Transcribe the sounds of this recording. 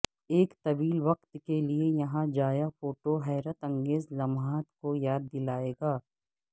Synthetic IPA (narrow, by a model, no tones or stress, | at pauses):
eːkt̪ɐʋiːlʋɐq̚t̪keliejɐɦãd͡ʒaːjafoːʈoɦɛːɾət̪ɐ̃ŋɡeːzlɐmɦaːt̪kojaːd̪ːɪlaːeːɡaː